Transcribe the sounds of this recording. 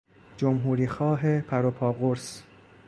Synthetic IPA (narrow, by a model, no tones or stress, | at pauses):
d͡ʒomɦuːɾiːxɒːɦepʰæɾopʰɒːɣoɾs